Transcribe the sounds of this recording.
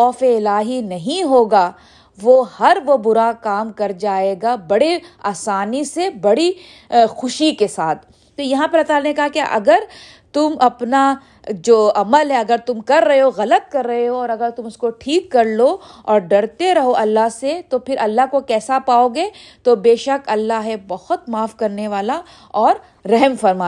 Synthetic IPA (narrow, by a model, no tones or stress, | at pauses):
xɔːfeɪlaːɦinɐɦĩɦoːɡaː | ʋoːhɐɾʋobʊɾakaːmkɐɾd͡ʒaːeːɡabɐɽeaːsaːnisebɐɽi | xʊʃikesaːt̪̚ʰ | t̪ojɐɦãpɐɾɐt̪aːlnekɐɦakja̰ʔɐɡəɾ | t̪ʊmɐpna | d͡ʒoːɐməlɦɛɐɡəɾt̪ʊmkɐɾːɐɦeɦoɣɐlət̪̚kɐɾːɐɦeɦoɔːɾɐɡəɾt̪ʊmʊskoʈʰiːkːɐɾloɔːɾɖɐɽt̪eɾɐɦoʔɐlːaɦset̪opʰɪɾʔɐlːaɦkokɛːsapaːoɡeːt̪obeːʃəkɐlːaɦebɐhʊt̪maːfkɐɾneʋaːla | ɔːɾː | ɐɦɛmfɐɾma